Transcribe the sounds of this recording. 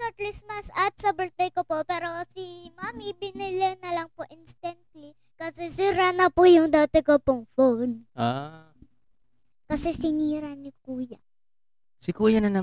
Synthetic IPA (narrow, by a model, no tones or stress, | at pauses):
sɔklismɐsɐt̪̚sɐbʊlt̪ɛjkopopɛːɾo̞simamibɪnɪlɛnɐlɐŋpoʔɪnst̪ɐnt̪̚li | kɐsɛsiɾanɐpʊjʊŋd̪aːt̪ɪkopʊŋfownʔa | kɐsɛsɪniːɾanɪk̚uːjɐ | sɪkuːjɐnɐnɐ